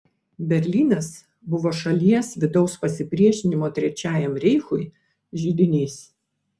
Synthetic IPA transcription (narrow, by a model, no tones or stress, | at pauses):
bʲɛɾʲlʲiːnɐs | bʊʋoːʃɐlʲiɛsʋʲɪd̪ɒʊspɐsʲɪpʲɾʲiɛʃʲɪnʲɪmoːt̪ʲɾʲɛt͡ʃʲæːjɛmɾʲɛɪxʊj | ʒʲɪd̪ʲɪnʲiːs